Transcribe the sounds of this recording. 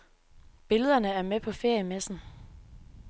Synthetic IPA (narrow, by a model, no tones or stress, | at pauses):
b̥e̝ləð̞ˠɐnəæɐmepʰɒ̽fe̝ɐ̰jəmesn̩